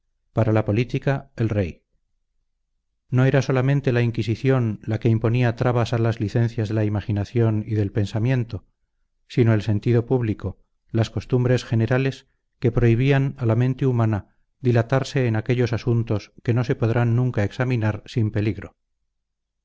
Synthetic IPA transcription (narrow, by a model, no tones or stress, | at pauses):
paɾalapo̞lit̪ikae̞lre̞j | no̞e̞ɾaso̞lamẽnt̪e̞laiŋkisiθjo̞nlake̞impo̞niat̪ɾaβasalazliθẽ̞n̟θjazðe̞laimaχinaθjo̞niðe̞lpe̞nsamje̞nt̪o̞ | sino̞e̞lse̞nt̪iðo̞puβliko̞ | lasko̞st̪umbɾe̞sxe̞ne̞ɾale̞s | ke̞pɾo̞iβ̞ianalamẽ̞nt̪eumana | ðilat̪aɾse̞ːnake̞ʎo̞sasunt̪o̞ske̞no̞se̞po̞ðɾanːũŋkae̞ksaminaɾsimpe̞liɣɾo̞